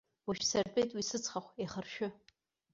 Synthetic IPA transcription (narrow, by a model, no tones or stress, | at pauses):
waʃsarpʼejtʼwisɨt͡sʰʼχaχʷeχərʃᶣʊ